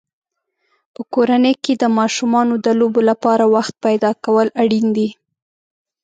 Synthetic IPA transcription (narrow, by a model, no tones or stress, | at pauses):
pəkoɾaneked̪əmɑʃumɑnod̪əlobolapɑɾawaxt̪̚pajd̪ɑkawəlaɽind̪i